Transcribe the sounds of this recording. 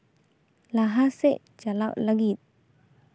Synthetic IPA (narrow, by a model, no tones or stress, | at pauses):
laɦasɛʔ | t͡ʃalaʔlaɡit̪̚